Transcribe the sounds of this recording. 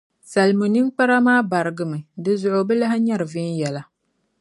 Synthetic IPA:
sa˨lmu˨nɨ˦ŋk͡pa˦ɾa˦maː˦ba˨ɾɨ˨ɡɨ˨mɨ˨dɨ˦zʊ˨ʔʊ˨bɨ˦la˦ɦɪ˦ɲa˦ɾɨ˨vɪ˦njɛ˨la˨

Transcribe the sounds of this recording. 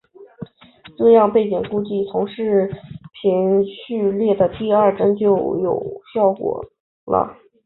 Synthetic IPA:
ʈ͡ʂɤ˥˧jɑ˥˧ŋpe˥˩ɪt͡ɕi˨˩ŋku˥˧t͡ɕi˥˩t͡s̪ʰʊ˧˥ŋʂɻ̩˥˩pʰi˧˥nɕʰy˥˧ljɛ˥˩d̪ə˩t̪i˥˧ɐ˞˥˩ʈ͡ʂə˥ŋt͡ɕjo˥˩ʊjo˨˩ʊɕjɑ˥˩ʊkwɔ̰˨˩˦ | lə̰˧

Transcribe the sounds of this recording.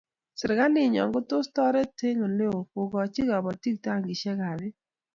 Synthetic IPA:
sɪ˨ɾɡa˦lɪ˦˨ɲɔ̰˨ŋɡʊ˦tʊ˦stɔ˦ɾɛ˦te˦ŋo˨le˦o˨po˨ɡɔ˨t͡ʃi˦ɡa˨bɔ˨ti˦k̚ta˦˨ŋɡi˨ʃɛ˦ka˨bɪ˦

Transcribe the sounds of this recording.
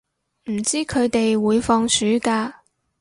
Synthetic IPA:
m̩˨˩t͡siː˥kʰɵ˨˧ɥt̪e˨jwuː˨˧jfɔː˧ŋsyː˨˥kaː˧

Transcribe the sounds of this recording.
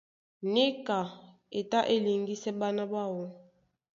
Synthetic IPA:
ne˦ka˨ | e˨ta˦ʔe˦li˨ŋɡi˦sɛ˦ba˦na˦ba˦˨wɔ˦

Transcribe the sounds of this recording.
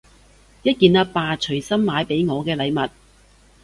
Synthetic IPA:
jɐ˥t̚kiː˨˧nɐː˧˥paː˧t͡ʃʰɵ˨˩ɥsɐ˥mːaː˨˧jpe˨˥jŋɔː˨˧kɛː˧lɐ˨˧jmɐ˨t̚

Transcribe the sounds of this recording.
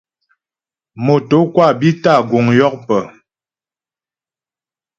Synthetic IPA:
mo˨to˨˦kwa˦˨bi˦ta˦˨ɡo˨ŋjɔ˦k̚pə˨

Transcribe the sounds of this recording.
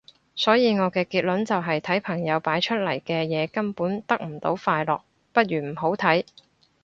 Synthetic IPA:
sɔː˨˥jiː˨˧ŋɔː˨˧kɛː˧kiː˧t̚lɵ˨˥nt͡sɐ˨wɦɐ˨jt̪ʰɐ˨˥jpʰɐ˨˩ŋjɐ˨˧wpaː˨˥jt͡ʃʰɵ˥t̚lɐ˨˩jkɛː˧jɛː˨˧kɐ˥npuː˨˥nt̪ɐ˥k̚m̩˨˩t̪o̰˨˥wfaː˧jlɔː˨k̚ | pɐ˥t̚ɥyː˨˩m̩˨˩ɦo˨˥wt̪ʰɐ˨˥j

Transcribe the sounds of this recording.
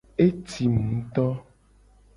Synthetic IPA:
e˦t̪i˨mũ˨˦t̪ɔ˦

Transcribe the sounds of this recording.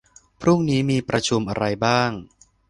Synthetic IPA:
pʰɾu˥˩ŋniː˦˥miː˧pɾa˧t͡ɕʰu˧mʔa˧ɾa˧jbaː˥˩ŋ

